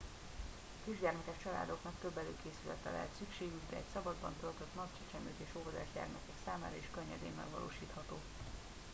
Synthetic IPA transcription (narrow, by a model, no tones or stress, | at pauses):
kiʒɟɛrmɛkɛʃt͡ʃɒla̰ːd̪o̞knɒkt̪ø̞bːɛløːkeːsylɛ̰t̪ɛlɛ̰ɦɛt̪sykʃeːɡyɡd̪ɛ̰ɛcsɒbɒd̪bɒ̰nt̪ølt̪øt̪nɒct͡ʃɛt͡ʃɛmøːt̪eːʃoːvɔd̪ɛ̰ːʒɟɛ̰rmɛkɛksaːmaːɾɒeʃkøɲːɛd̪ḛːmːɛ̰ɡʋɒ̰lʔo̰ːʃiːt̪hɒt̪oː